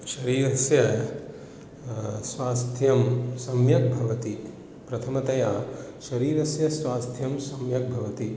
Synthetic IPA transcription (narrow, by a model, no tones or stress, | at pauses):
ʃɐɾiːɾɐsjɐ | sʋaːst̪ʰjɐmsɐmjɐk̚bʱɐʋɐt̪i | pɾɐt̪ʰɐmɐt̪ɐjaːʃɐɾiːɾɐsjɐsʋaːst̪ʰjɐmsɐmjɐk̚bʱɐʋɐt̪i